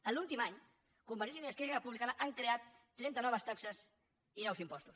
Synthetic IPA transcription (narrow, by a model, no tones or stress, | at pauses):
əlulˠt̪imaɲ | kumbəɾisʃiniəskɛrərəpuβlikanəʔaŋkɾeat̪ː | ɾɛnt̪ənɔβəst̪aksəs | inɛwsimpɔst̪us